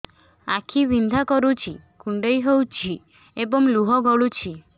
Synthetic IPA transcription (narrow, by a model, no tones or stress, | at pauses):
akʰiʋind̪ʱakɔɾut͡ʃʰikuɳɖəjɦowt͡ʃʰi | ebɔmluɦɔɡʱɔɭut͡ʃʰi